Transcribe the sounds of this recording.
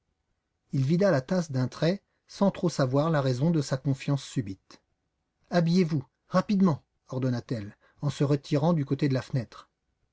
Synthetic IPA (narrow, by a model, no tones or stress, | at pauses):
ilvid̪alat̪asd̪ɛ̃t̪χɛ | sɑ̃t̪χosavwaʁlaʁɛzɔ̃d̪əsakɔ̃fjɑ̃sːybit̪ | abijevu | ʁapid̪mɑ̃ | ɔʁd̪ɔnat̪ɛl | ɑ̃səʁət̪ʰiʁɑ̃d̪ykot̪ed̪əlafnɛt̪χ